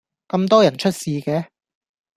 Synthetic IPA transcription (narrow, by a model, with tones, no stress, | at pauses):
kɐ˧mt̪ɔː˥jɐ˨˩nt͡ʃʰɵ˥t̚siː˨˧kɛː˨˥